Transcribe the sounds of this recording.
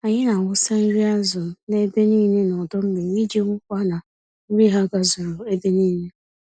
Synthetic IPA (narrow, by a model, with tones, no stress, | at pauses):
a˨ɲɪ˦na˨ŋʷʊ˦sa˦n̩˦ɾi˦a˦zʊ˨ne˦be˦niː˦ne˦nɔ˨dɔ˦m̩˦me˨ɲi˦d͡ʒe˦ŋʷʊ˦kʷa˦na˨˦ | ɾi˦ɦa˦ɡa˦zʊ˨ɾʊ˨e˦be˦niː˦ne˦